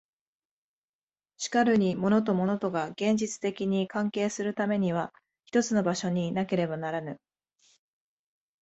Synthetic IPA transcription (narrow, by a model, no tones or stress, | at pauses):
ɕi̥kaɾɯ̟ɲ̟imo̞no̞t̪̬o̞mo̞no̞t̪o̞ɡaɡẽ̞ɲ̟d͡ʑit͡sɨ̥t̪e̞kʲiɲ̟ikãŋke̞ːsɨɾɯ̟t̪ame̞ɲ̟iβ̞a | çʲi̥t̪o̞t͡sɨno̞baɕo̞ɲ̟inake̞ɾe̞banaɾanɯ